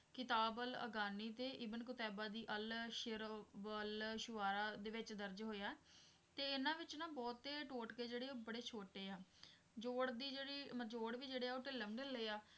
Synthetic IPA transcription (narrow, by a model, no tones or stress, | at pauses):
kɪt̪aːbələ̰ɡaːniːt̪eːʔɪbənkʊt̪ɛːbaːd̪iːʔəlʃɪɾbəlʃʊʋaːɾaːd̪eːʋɪt͡ʃd̪əɾd͡ʒɦoːjaː | t̪eːɪnãːʋɪt͡ʃnãːbɔːt̪ːeːʈoːʈkeːd͡ʒeːɽeːoːbəɽeːt͡ʃʰoːʈeːaː | d͡ʒoːɽd̪iːd͡ʒeːɽiːməd͡ʒoːɽʋiːd͡ʒeːɽeːɛːoːʈeləmɖənleːaː